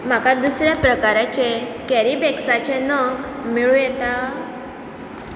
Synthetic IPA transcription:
m̤akad̪usɾjapɾəkaɾat͡ɕekɛɾibeksat͡ɕenəɡ | miɭũjet̪a

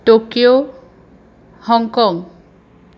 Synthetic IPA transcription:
ʈokio | hɔŋkɔŋ

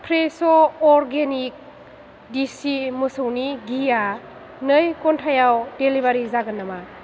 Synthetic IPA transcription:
pʰɾesɔɔɾɡenik̚ | disimɯsɯwniɡija | nɯjkɔntʰajawdelibaɾizaɡɯnːama

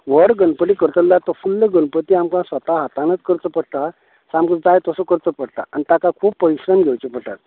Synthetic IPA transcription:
ʋəɽɡənpəɽikəɾt̪əllat̪ɔfulːəɡənpət̪iamkãsʋət̪aɦat̪ãnət͡skəɾt͡səpəɽ̚t̪a | samɡət͡sd͡zajt̪əsɔkəɾt͡səpəɽt̪a̰anit̪akakʰuːbpːəiɕɾəmɡʱɛwt͡ɕipəʈat̪̚

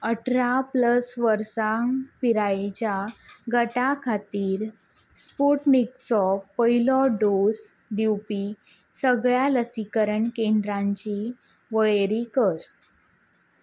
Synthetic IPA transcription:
əʈʰɾapləsʋəɾsaŋpiɾajt͡ɕaɡəʈakʰat̪iːɾ | spuʈmikt͡sɔpəɦilɔɖos | ɖiwpi | səɡɭjaləsikəɾəɳkend̪ɾãɲt͡ɕi | ʋəɭeɾikəɾ

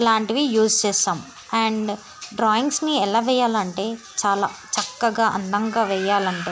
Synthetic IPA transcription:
laːɳʈiʋijuːst͡ʃeːsaːm | ɐɳɖ | ɖɾaːjiŋɡsniɛlaːʋɛjːaːlɐɳʈeː | t͡ʃaːlaːt͡ʃɐkːɐɡaːʔɐ̰nd̪ɐŋɡaːʋɛjaːlɐɳʈeː

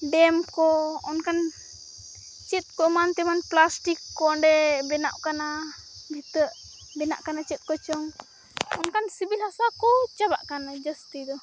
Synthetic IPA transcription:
ɖɛmkɔɔnkan | t͡ʃɛt̪̚kɔmant̪ɛmanplasʈikːɔɖɛbɛna̰ʔkanabʱit̪əʔ | bɛna̰ʔkanat͡ʃɛt̪̚kɔt͡ʃɔŋ | ɔnkansibilhasakɔt͡ʃaba̰ʔkanad͡ʒəst̪id̪ɔ

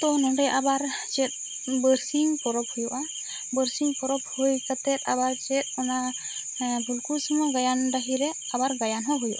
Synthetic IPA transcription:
t̪ɔnɔdejʔabaɾt͡ʃɛt̚ | bəɾsiŋpɔɾɔp̚hujuʔa | bəɾsiŋpɔɾɔp̚hojsat̪ɛt̪abaɾt͡ʃɛt̪̚mɔna | bʱulkusɔmɔjɡajandaɦiɾɛ | abaɾɡajanɦɔɦujuʔa

